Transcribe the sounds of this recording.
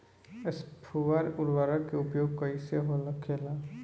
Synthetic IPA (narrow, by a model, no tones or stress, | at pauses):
espʰuʋaɾʊɾʋaːɾakeʊpjoːɡ̚kəiseɦolɐkʰela